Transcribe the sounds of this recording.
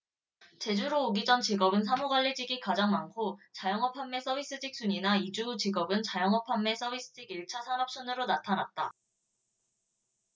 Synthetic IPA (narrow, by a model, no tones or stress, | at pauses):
t͡ɕe̞d͡ʑuɾoːɡid͡ʑʌnt͡ɕiɡʌbɯns̬ʰamuɡwaʎːid͡ʑiɡikad͡ʑaŋmankʰot͡ɕajʌŋʌpʰamːe̞s͈ʰʌbʱis͈ɯd͡ʑik̚s͈uɲinaid͡ʑut͡ɕiɡʌbɯnt͡ɕajʌŋɦʌpʰamːe̞s͈ʌbis͈ɯ̥d͡ʑiɡiɭt͡ɕʰasʰanʌp̚ɕ͈ʌnɯɾonatʰanat̚t͈a